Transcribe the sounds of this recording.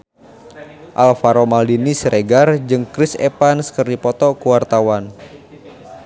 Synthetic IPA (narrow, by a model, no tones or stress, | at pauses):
ʔalfaɾomaldinisɾeɡard͡ʒɨŋkɾɪsɛ̰panskərdipɔt̪ɔkuwart̪awan